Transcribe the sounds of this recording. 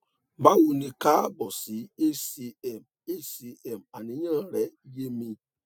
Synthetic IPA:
ba˦wu˨ni˨ka˦bɔ˨si˨˦e˦si˦ɛ˨m | e˦si˨ɛ˨m˨a˨ni˨˦ɲã˦˨ɾɛ˨˦i˦je˦mĩ˦

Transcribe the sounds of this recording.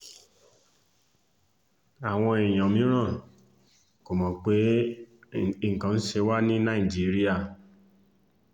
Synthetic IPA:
a˨w̃ɔ̃˧i˨j̃ɔ̃˨mĩ˨˦ɾ̃ã˦˨ | ko˨mɔ̃˨˦k͡pe˨˦ | ŋ̩˨kã˨˦n̩˦ʃe˧wa˦nĩ˦nã˦˨i˨d͡ʒi˨˦ɾi˦a˦˨

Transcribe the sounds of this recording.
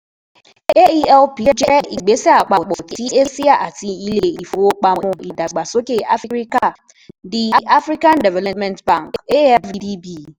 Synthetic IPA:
e˦e˦i˦ɛ˦lpi˦d͡ʒe˦˨ʔi˨ɡ͡be˦sɛ˦a˨k͡pa˨k͡pɔ˨ki˦e˦si˦a˨ʔa˨ti˦i˦le˦˨i˨fo˨o˦k͡pa˨˦˨i˨da˨ɡ͡ba˨so˦ke˨a˦fi˦ɾi˦ka˨ | dɪ˨a˨ʔa˦fɾi˦kã˦ndɛ˨vɛ˨lɔ˨mɛ̃˨ntbã˦˨ŋ˨ke˦ɛ˦fi˦di˦bi˦˨

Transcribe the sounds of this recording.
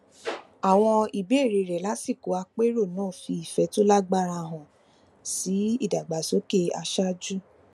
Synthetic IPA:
a˨w̃ɔ̃˧i˨be˨˦˨ɾe˧˨ɾɛ˨la˨˦si˦˨ko˨˦a˧k͡pe˦ɾo˦˨nãː˦˨fi˧i˨fɛ˨˧˦to˦la˦ɡ͡ba˧ɾa˧˨ɦɔ̃˨ | si˨˦i˦˨da˨ɡ͡ba˨so˨˦ke˦a˧ʃa˦d͡ʒu˦

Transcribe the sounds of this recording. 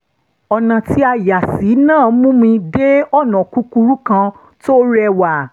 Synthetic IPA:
ɔ˨nã˨ti˦a˧˨ja˨si˨˦nãː˦˨˦mũ˦mĩ˧de˦ɔ˦˨nã˨ku˦ku˧ɾu˦kã˧ | to˦ɾɛ˧˨wa˨

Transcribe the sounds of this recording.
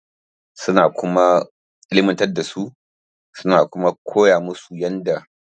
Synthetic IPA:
sʊ˦naː˨kʷʊ˦ma˦ | ʔʼɪ˦lɪ˦mɪ˦ntɐ˦da˨su˦ʔ | sʊ˦naː˨kʷʊ˦ma˦kʷʰoː˦jaː˨mʊ˦su˨jɐ˦nda˨

